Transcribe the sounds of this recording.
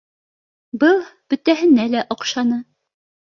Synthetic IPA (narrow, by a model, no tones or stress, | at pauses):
bɤlˠb̥ɵ̆t̪æɦɘ̆nælæʔŏqʃɑnɤ